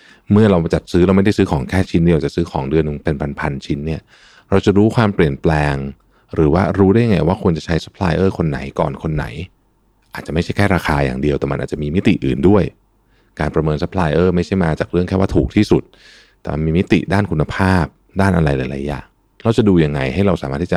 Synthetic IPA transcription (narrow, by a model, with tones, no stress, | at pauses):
mɯ˥˩ɐɾa˧wt͡ɕa˨˩t̪̚sɯː˦˥ɾa˧wma˥˩jda˥˩jsɯː˦˥kʰɔː˩˦ŋkʰɛː˥˩t͡ɕʰi˦˥ndi˧t͡ɕa˨˩sɯː˦˥kʰɔː˩˦ŋdɯ˧ən˧pe˧npʰa˧npʰa˧nt͡ɕʰi˦˥nːi˥˩ɐ | ɾa˧wt͡ɕa˨˩ɾuː˦˥kʰwaː˧mpli˨˩ənplɛː˧ŋ | ɾɯː˩˦waː˥˩ɾuː˦˥aː˥˩ja˧˩ŋːa˧jwaː˥˩kʰu˧nt͡ɕa˨˩t͡ɕʰa˦˥jsa˦˥pʰla̰ː˧jʔɤː˥˩kʰo˧nːa̰˩˦jkɔ̰ː˨˩nkʰo˧nːa̰˩˦j | ʔaː˨˩t̪̚t͡ɕa˨˩ma˥˩t͡ɕʰa˥˩kʰɛː˥˩ɾaː˧xʰaː˧ja̰ː˨˩ŋdi˧əwt̪ɛː˨˩ma˧nʔaː˨˩t͡ɕa˨ʔmiː˧mi˦˥t̪ḭ˨˩ʔɯː˨˩ndu˥˩əj | kaː˧npɾa˧mɤː˧nsa˦˥pʰlaː˧jʔɤː˥˩ma˥˩jt͡ɕʰa˥˩jmaː˧t͡ɕaː˨˩k̚ɾɯ˥˩əŋkʰɛː˥˩waː˥˩t̪ʰuː˨˩k̚t̪ʰiː˥˩su˨˩t̪̚ | t̪ɛː˨˩ma˧nmiː˧mi˦˥t̪ḭ˨ʔdaː˥˩nkʰu˧nːa˧pʰaː˥˩p̚ | daː˥˩nʔa˧ɾa˧jla˨˦jla˨˦jːa̰ː˨˩ŋ | ɾa˧wt͡ɕa˨˩duː˧ja˧ŋːa˧jha˥˩jɾa˧wsaː˨˦aː˥˩t̪ːʰiː˥˩t͡ɕa˨˩